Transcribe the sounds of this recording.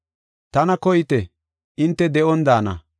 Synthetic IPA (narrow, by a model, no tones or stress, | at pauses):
t̪ɐnɐkɔjɪt̪ɛ | ʔɪnt̪ːɛd̪ɛʔɔnd̪aːnɐ̰